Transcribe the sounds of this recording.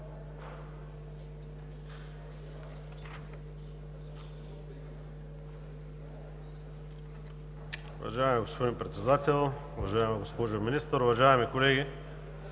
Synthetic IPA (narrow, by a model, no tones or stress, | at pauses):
ʊvɐ̰ʒaɛmiɡospod̪inpɾɛt̪sɛd̪at̪ɛlˠ | ʊvɐʒaɛmiɡospoʒʊminist̪əɾʊvɐʒaɛmikolɛɡʲi